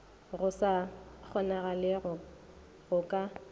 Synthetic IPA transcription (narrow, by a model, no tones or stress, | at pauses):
ɣʊsak͡xʰɔnaɣalɪʊ | ɣʊkʼa